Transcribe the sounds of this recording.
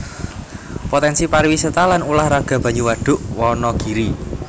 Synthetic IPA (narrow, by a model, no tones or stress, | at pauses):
pot̪ɛnsiparwisət̪alanulahraɡ̥ä̤b̥a̤ɲuwaɖ̥ʊ̤ʔwɔnɔɡ̥i̤ɾi